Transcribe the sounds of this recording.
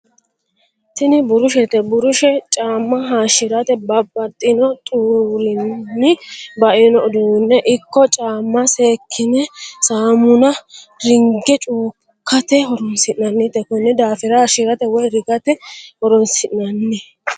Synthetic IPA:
t̪ɪnɪbʊɾʊʃɛt̪ɛbʊɾʊʃɛt͡ʃʼaːmːɐɦaːʃɪɾɐt̪ɛbɐbːɐt̪ʼːɪnɔt̪ʼuːɾɪnːɪbɐʔɪnɔʊd̪ʊɪnːɛʔɪkːɔt͡ʃʼaːmːɐseːkʰːɪnɛsaːmʊnɐɾɪŋɡɛt͡ʃʼuː | kːɐt̪ɛɦɔɾɔnsɪʔnɐnːɪt̪ːɛkɔnːɛd̪aːfɪɾɐʃɪɾɐt̪ɛwɔjɾɪɡɐt̪ɛhɔɾɔnsɪʔnɐnːɛ

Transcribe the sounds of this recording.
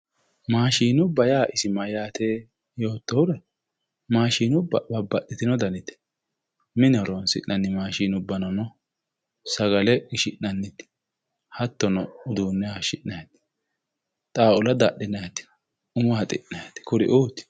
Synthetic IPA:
maːʃiːnʊbɐjaːʔɪsɪmɐjaːt̪eː | jo̞ːt̪ːɔwʊɾɛ | maːʃiːnʊbɐbɐbːɐʔːɪt̪ɪnɔd̪ɐnɪt̪ɛ̥ | mɪnɐɾɔnsɪ̰ʔːɐnːɪmaːʃiːnʊbːɐnɐnɔ | sɐɡɐlɛɡɪʃɪʔnɐnːɪt̪ɪ̥ | hɐt̪ːɔnɔʊd̪uːnːɛaʃɪʔnɐjɐt̪ɪ̥ | t̪ʼaːʊlɐd̪ɐɗːɪnɐjɐt̪ːɪ̥ | ʊmʊhɐt̪ʼɪ̰nnɐjɐt̪ɪ̥kʊɾɪ̰ʔuːt̪ːɪ̥

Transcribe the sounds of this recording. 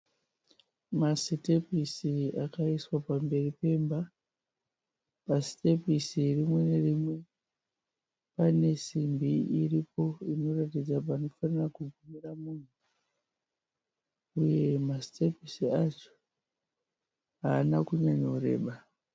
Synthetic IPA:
masitepisiakaiswapambe̞ripe̞ːmba | pasi̥te̞pisirimwe̞ne̞rimwe̞ | pane̞simbiiripo̞ino̞ratid͡zap̬aːno̞fanirakuɡʱumiramun̤u | uje̞masi̥tepisiat͡ʃo̥ | ɦaːnakuɲaɲouɾe̞̰ːɓa

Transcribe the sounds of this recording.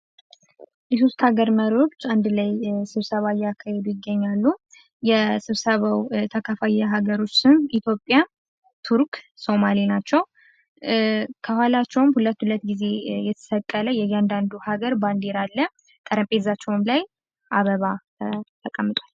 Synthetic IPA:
jɛso̞st̪haɡəɾməɾo̞t͡ʃːand̪lajsɨβsəβajːakʰːahɛd̪ujɪɡːəɲːalːu | jɛsɨβsəβawt̪ʰakʰafajaɦaɡəɾo̞t͡ʃːsɨnʔit̪ʰjo̞pʼja | t̪ʰuɾkso̞malinat͡ʃːɛw | kʰəhʷalat͡ʃːɛwmhulət̪ːhulət̪ːɡize̞jɛt̪ʰə̥səkʼːələjɛjand̪and̪uhaɡəɾband̪eɾalːə | t̪ʼəɾəmpʼet̪zat͡ʃːɛwmlaj | ʔaβəβa | t̪ʰəkʼːəmːɨt̪ʼwal

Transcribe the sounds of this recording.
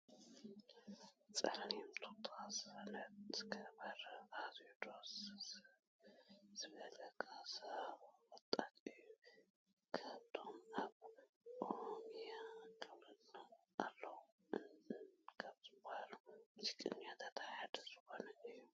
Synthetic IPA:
t͡sʼɐ̰lnimt̪ʰot̪ʼasɐnɐt̪kʰɐbɐɾazjud̪o̞s | z̥ɨɡɐlɐkʰʼasɐwɔt̪ʼat̪ɨjːu | kʰaβt̪ʰo̞maβ | ʔoɾomijakʰʼɨβɨnalːɐw | kʰaβzɨbːahalumsikʼɨ̰njat̪ʰat̪ʰaħad̪ɐzɨxo̞nɐɨjːu

